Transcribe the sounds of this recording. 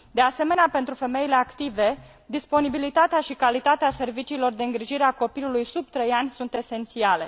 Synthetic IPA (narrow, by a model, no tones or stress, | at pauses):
d̪e̞ase̞me̞neape̞nt̪ɾufe̞me̞ile̞akt̪ive̞ | d̪ispo̞nibilit̪at̪eaʃikalit̪at̪ease̞rvit͡ʃiːlo̞rd̪e̞ɨŋɡɾiʒiɾeako̞pilulujsub̚t̪ɾejanʲsunt̪e̞se̞nt̪siale̞̰